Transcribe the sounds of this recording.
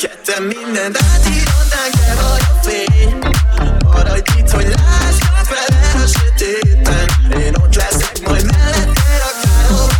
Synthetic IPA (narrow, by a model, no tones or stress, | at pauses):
kɛt̪ːɛnmːind̪ɛnt̪at̪iɾod̪aːŋkɛvɒɟe | ɒɾɒɟkit̪hoɟlaːʃat̪fɛlkøʃøt̪et̪ɛneːnot̪lɛsɛkmɒjd̪mɛɛnt̪eːɒkaːɾo